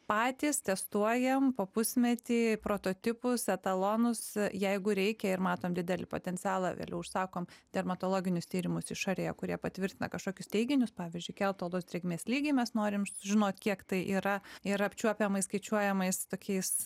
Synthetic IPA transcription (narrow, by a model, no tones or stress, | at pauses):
pɑːt̪ʲiːst̪ʲɛst̪uɔjɛmpoːpʊsʲmʲɛt̪ʲiːpɾoːt̪oːt̪ʲɪpʊsɛt̪ɐlˠoːnʊsjɛɪɡʊɾʲɛɪkʲɛɪɾmɑːt̪oːmd̪ʲɪd̪ʲɛlʲɪ̰po̰ːt̪ʲɛnʲtt͡s̪ʲɪæːlˠɑʋʲḛːlʲɛʊʊʃsɑːkoːmd̪ʲɛrmɐt̪oːlˠoːɡʲɪnʲʊst̪ʲiːɾʲɪmʊsɪʃɑɾʲeːjɛkʊɾʲiɛpɐt̪ʲʋʲɪɾʲt̪ʲɪnɐ̰kɐʃkoːkʲʊst̪ʲɛɪɡʲɪnʲʊspɑːʋʲiːzʲd͡ʒʲʊɪkʲɛlˠt̪oːlˠosd̪ɾʲɛɡʲmʲeːsʲlʲiːɡʲiːmʲɛsnoːɾʲɪmsʊʒʲɪnoːt̪ʲkʲiɛkt̪ɐɪʔiːɾɐɪɾɐpʲt͡ʃʲuɔpʲɛmɐɪskɐɪt͡ʃʲuɔjɛmɐɪst̪oːkʲɛɪs